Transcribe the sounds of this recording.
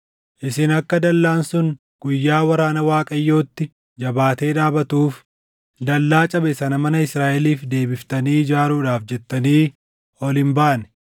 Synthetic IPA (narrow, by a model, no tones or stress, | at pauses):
ʔɪsɪnɐkːɐd̪ɐlːaːnsʊŋ | ɡ̥ʊjːaːwɐɾaːnɐwaːkʼɐjːo̞ːt̪ːɪ | d͡ʒɐbaːt̪e̞ːᶑ̪aːbɐt̪uːf | d̪ɐlːaːt͡ʃʼɐbɛsɐnɐmɐnɐɪsɾaːʔɛliːfd̪e̞ːbɪft̪ɐniːd͡ʒaːɾuːᶑaːfd͡ʒɛt̪ːɐniː | ɔlɪmbaːnɛ̥